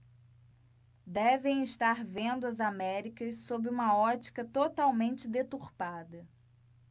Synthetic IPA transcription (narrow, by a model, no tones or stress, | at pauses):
d̪ɛvẽj̃ɪʃt̪aɾvẽnd̪ʊɐzamɛɾikɐssobɪũmɐɔt͡ʃi̥kɐt̪ot̪awmẽnt͡ʃɪd̪et̪uɾpad̪ɐ